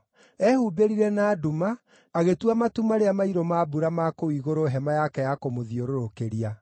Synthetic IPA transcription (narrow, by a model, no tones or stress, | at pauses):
ɛhubeɾiɾɛnaːdumaː | ɣetwamatumaɾeamaiɾɔmabuɾamakoiɣoɾoɦɛmajakɛjakomoðioɾoɾokeɾia